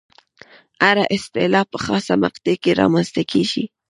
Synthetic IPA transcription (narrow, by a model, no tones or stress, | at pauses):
aɾaʔɪst̪ɪlɑpəxɑsamaqt̪ekeɾɑ̰manzt̪akʰeʒḭ